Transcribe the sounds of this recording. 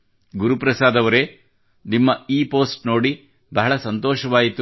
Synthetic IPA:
ɡuɾupɾɐsaːd̪ɐʋɐɾe | nimːɐiːpoːsʈno̞ːɽi | bɐɦɐɭɐsɐnt̪ɔːʃɐʋaːjit̪ːu

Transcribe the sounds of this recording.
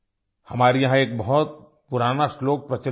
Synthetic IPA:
hɐmaːɾijɐɦãeːk̚bɐɦɔt̪̚ | puɾaːnasloːk̚pɾɐt͡ʃə

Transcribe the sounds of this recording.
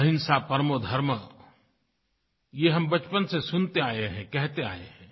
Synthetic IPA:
ɦɪnsapɐɾmod̪ʱɐɾmə | jeɦɐmbɐt͡ʃpənsesʊnt̪eaːeɦɛ̃kɛɦt̪ea̰ːeɦɛ̃ː

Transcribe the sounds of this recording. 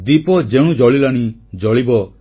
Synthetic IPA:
d̪ipɔd͡ʒeɽ̃ũd͡ʒɔɭilaɽ̃id͡ʒɔɭibɔ

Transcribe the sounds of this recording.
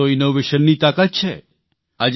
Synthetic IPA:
oɪnoʋeʃənːit̪akat̪̚t͡ʃʰe | ad͡ʒ

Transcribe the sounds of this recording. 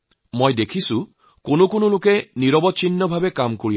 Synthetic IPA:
mojdekʰisũ | konokʊnolʊkeniɾɔbɔtt͡ʃinːɔbʱabekamkoɹi

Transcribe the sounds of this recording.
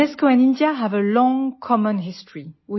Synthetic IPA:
ɛskoɛ̃nɪ̃ndjaɦævəlɔ̃ŋkʰɔmə̃nɦɪstɹ̥iwi

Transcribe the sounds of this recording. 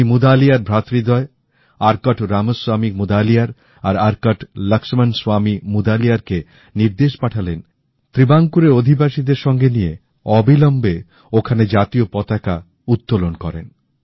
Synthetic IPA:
imud̪alijaɾbʱɾat̪ɾid̪ɔe | aɾkaʈʰɾamoswamik̚mud̪alijaɾ | aɾaɾkaʈləkʃmanswamimud̪aliaɾke | niɾd̪eʃpaʈʰalen | t̪ɾibaŋkuɾeod̪ʱibaʃid̪eɾʃɔŋɡenije | ɔbilɔmbe | okʰaned͡ʑat̪iopɔt̪aka | ut̪ːolonkɔɾḛn

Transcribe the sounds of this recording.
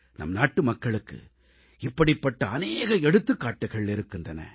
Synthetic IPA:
nɐ̰mːnaːʈːɯmɐkːɐɭɯkːɯ̰ | ɪpːɐɽɪpːɐʈːɐɐneːɣɐɛɽɯt̪ːɯkːaːʈːɐɣɐɭɪɾɯkːɯndrɐnɐ̰

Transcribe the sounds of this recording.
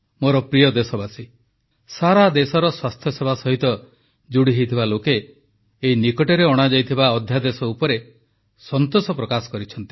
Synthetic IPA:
moɾɔpɾijɔd̪esɔbasi | saɾad̪esɔɾɔswast̪ʰjɔsebʱasɔɦit̪ɔ | d͡ʒuɽiɦejt̪ʰibalokeː | inikɔʈɔɾeɔɽ̃ad͡ʒajt̪ʰibaɔd̪ʱjad̪esɔupɔɾe | sɔnt̪osɔpɾɔkasɔ̥kɔɾit͡ʃʰɔnt̪i

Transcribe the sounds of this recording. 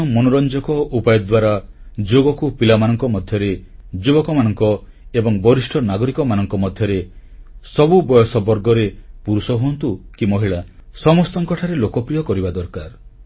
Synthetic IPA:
ɔmonɔɾɔnd͡ʒɔkɔʔupajɔd̪waɾad͡ʒoɡɔkupilamanɔŋkɔmɔd̪ʱjɔɾed͡ʒubɔkɔmanɔŋkɔ | ebɔŋbɔɾisʈʰɔnaɡɔɾikɔmanɔŋkɔmɔd̪ʱjɔɾesɔbubɔjɔsɔbɔɾɡɔɾepuɾusɔɦuɔnt̪ukimɔɦiɭasɔmɔst̪ɔŋkɔʈʰaɾelokɔpɾijɔkɔɾibad̪ɔɾkaɾ

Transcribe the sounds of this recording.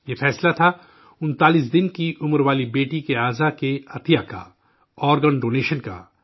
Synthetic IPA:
jefɛːslat̪ʰa | ʊnt̪aːlis̬d̪ɪnkiʔʊməɾʋaːlibeːʈikeaːzakeɐt̪ʰijaka̰ | ɔːɾɡəɳɖoːneːʃənka̰

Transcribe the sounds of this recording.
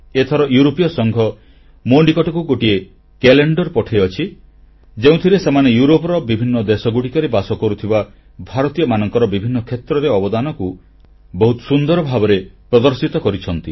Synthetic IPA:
et̪ʰɔɾɔjuɾopijɔsɔŋɡʱɔ | moɳɖikɔʈɔkuɡoʈie | keleɳɖɔɾpɔʈʰejɔt͡ʃʰi | d͡ʒeũt̪ʰiɾesemanejuɾopɔɾɔbibʱinːɔd̪esɔɡuɽikɔɾebasɔkɔɾut̪ʰiba | bʱaɾɔt̪ijɔmanɔŋkɔɾɔbibʱinːɔkʰet̪ɾɔɾeɔbɔd̪anɔku | bɔɦut̪ɔ̥sund̪ɔɾɔbʱabɔɾepɾɔd̪ɔɾsit̪ɔkɔɾit͡ʃʰɔnt̪i

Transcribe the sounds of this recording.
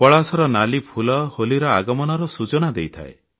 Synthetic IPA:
pɔɭasɔɾɔnalipʰulɔholiɾɔaɡɔmɔnɔɾɔsut͡ʃɔnad̪ejt̪ʰa̰e

